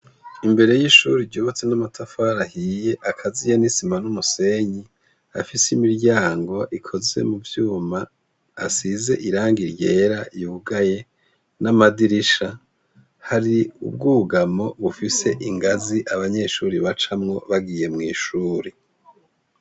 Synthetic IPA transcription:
imbe̞ɾe̞jiʃuːɾiɾɟuːβat͡se̞namatʰafaːɾahijeʔakʰazijenisimanumuse̞ɲi | a̰fisimiɾɟaːŋɡo̞ʔikʰo̞ze̞̰muvjuːmaː | size̞ʔiɾaːŋɡiɾje̞ːɾajuːɡaje̞ | namadiɾiʃa | haɾiṵb̚ɡuɡamo̞βufise̞ʔiŋɡaziʔaβaɲe̞ːʃuːɾiβat͡ʃamŋo̞βaɡije̞mŋiːʃuːɾi

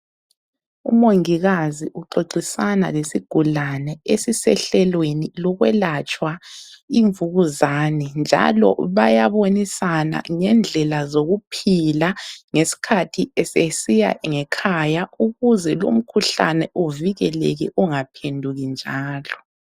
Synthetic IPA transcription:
ṵmoŋiɣaziʔuǃoǃisana̰lesiɡ̥ʱulanɛesisɛɬɛlwenilɔɣwɛlat͡ʃʼwaiɱvuɣuzaːnɛnd͡ʒʱa̰lɔ̰βajaβonisana̰ŋɛnd͡ɮʱɛlazoɣupʰilaŋesi̥kʰatʰiɛsesija̰ŋɛkʰajauɣuzɛlo̰m̩kʰuɬa̰nɛuviɣɛlɛ̰ɣɛʔuŋapʰendʱuɣind͡ʒʱaːlɔ

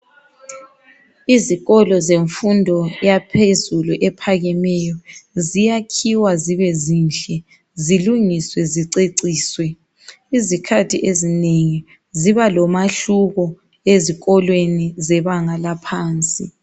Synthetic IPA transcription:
iziɣɔlɔzeɱfundʱɔjapʰezuluʔɛpʰaɣɛmɛjɔzijakʰiwaziβɛzinɬɛ | ziluŋiswɛziǀeǀiːswɛ | izikʰatʰiʔezineŋi | ziβalɔmaɬuɣɔ | eziɣɔlwenizɛβaŋalapʰaːnt͡sʼḭ

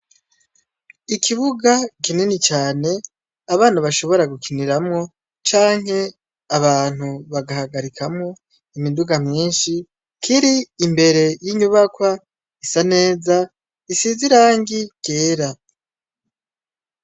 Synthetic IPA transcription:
ikʰiβuɡakininit͡ʃaːne̞ | aβaːnaβaʃo̞βo̞ɾaɡukʰiniɾamŋo̞ | t͡ʃaːŋhe̞ | aβaːn̥huβaɡahaɡaɾikʰamŋo̞ | imiduɡamɲiːnʃi | kʰiɾiːmbe̞ɾe̞jiɲuβakwa | isane̞ːza | isiziɾaːŋɡike̞ːɾa

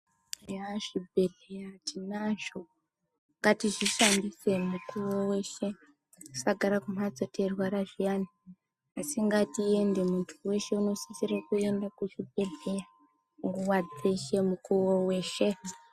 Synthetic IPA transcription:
jaʐib̚ʱe̞ɮejatinaʒo̞ | ŋɡatiʐiʃanbise̞mukuwowe̞ʃe̞ | ku̥saɡʱaɾakum̤ad͡zotʰerwaɾaʐijani | asiŋɡatie̞nde̞muntʰuwe̞ʃe̞uno̞sisirakue̞ndakuʐibʱe̞ɮeja | ŋɡuwad͡zeʃe̞mukuwowe̞ːʃe̞

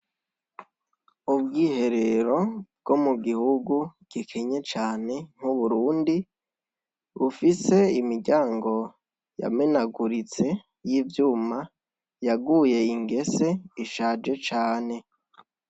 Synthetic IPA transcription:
ub̚ɡiːhe̞ɾe̞ɾo̞b̚ɡ̥o̞muɡihuɡuɡ̥ikʰeɲet͡ʃaːne̞ŋ̥huβuɾuːndi | βufise̞imiɾɟaːŋɡo̞ | ja̰menaɡuɾit͡se̞ | jiːvjuːma | jaɡuje̞iŋɡe̞se̞iʃaːd͡ʒe̞t͡ʃaːne̞

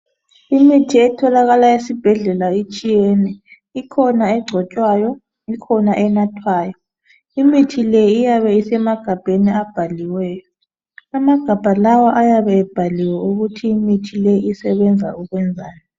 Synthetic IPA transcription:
imitʰiɛtʰɔlaɣalaesib̥ʱɛɮɛlait͡ʃʼijɛnɛ | ikʰɔnaɛɡ͡ǀʱɔt͡ʃʼwajɔ | ikʰɔnaʔɛnatʰwaːjɔ | imitʰilɛijaβɛisɛmaɡ̥ʱab̥ʱeniab̥ʱaliwɛːjɔ | amaɡ̥ʱab̥ʱalawaʔajaβɛːb̥ʱaliwɛuɣutʰiːmitʰilɛiisɛβɛnd͡zʱa̰uɣwɛnd͡zʱaːjɔ

